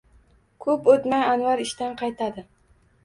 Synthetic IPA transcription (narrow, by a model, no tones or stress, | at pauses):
kʰɵpot̪majanvaɾɪʃt̪anqʰɑjt̪ʰad̪ɪ